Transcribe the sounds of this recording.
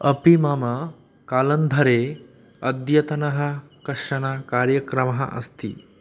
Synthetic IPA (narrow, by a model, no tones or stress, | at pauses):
ɐpimaːmɐ | kaːlɐnd̪ʱɐɾeː | ɐd̪jɐt̪ɐnɐɦɐkɐʂɐnaːkaːɾjɐkɾɐmɐɦɐ̰ʔɐ̰st̪ʰḭ